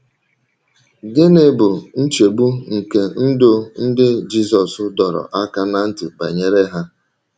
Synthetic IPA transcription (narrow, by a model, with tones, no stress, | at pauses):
ɡɪ˦ne˨bʊ˨n̩˦t͡ʃe˨ɡ͡bu˦ŋ̩˨ke˨n̩˦dʊ˦n̩˦dɪ˦d͡ʒi˦sɔ˨sʊ˦dɔ˨ɾɔ̰˨ʔa˦ka˦na˦n̩˦tʊ˨ba̰˨ɲe˦ɾe˦ɦa˦